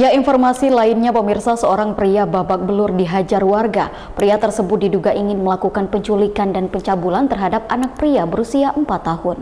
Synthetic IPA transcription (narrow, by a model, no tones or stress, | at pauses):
jainfɔrmasilaɪnɲapəmirsasəoɾaŋpɾiababak̚bəlʊrdiɦad͡ʒarwarɡa | pɾiat̪ərsəbʊt̪̚diduɡaʔiŋɪnməlakukanpəɲt͡ʃulikandanpəɲt͡ʃabulant̪ərɦadap̚anak̚pɾiabəɾusiaʔəmpat̪ːahʊn